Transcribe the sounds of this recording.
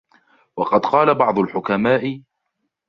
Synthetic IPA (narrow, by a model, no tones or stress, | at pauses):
wɑqɑd̪qɑːlabɑʕd̪ˤʊlħʊkamaːʔɪ